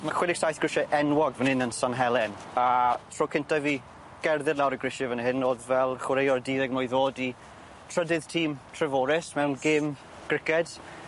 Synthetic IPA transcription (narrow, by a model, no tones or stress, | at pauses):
maχwɪnɪɡ̥sajθɡ̥ɹɪʃɛʔɛnwɔɡvənɪnənsanɦɛlˠɛnatʰr̥oːkʰɪntaviː | ɡ̥ɛrðɪɾlˠawɾəɡrɪʃɛvənhɪnoːðvɛlˠχɪɾejɔrdiːðɛɡmojðoːdi | tʰr̥ədɪð̥tʰiːmtʰrɛvɔːɾɪsmɛwnɡɪm | ɡ̥rɪkɛd̥